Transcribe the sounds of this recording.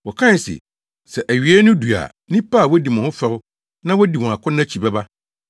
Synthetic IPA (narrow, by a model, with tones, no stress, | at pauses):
wɔ˨kʰã˦˨sɪ̰˨ | sɛ˨ʔæ˨ɥi˨e˦nʊ̃˦du˨a̰˨ | nĩ˦pa˦˨wɔ˦di˨mɔ̃˨ʊ̃˦fɛ˨ɾʊ˦ | nã˦wɔ˦di˨wɔ̃˨a˨kʰʊ̃˦nːã˦t͡ɕʰi˨bɛ˦ba˦